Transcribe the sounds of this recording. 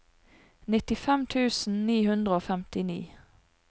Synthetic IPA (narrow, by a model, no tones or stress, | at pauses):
nɪt̪ɪfɛmt̪ʰʉːsn̩niːhʉnd̪ʁəoːfɛmt̪ɪnḭː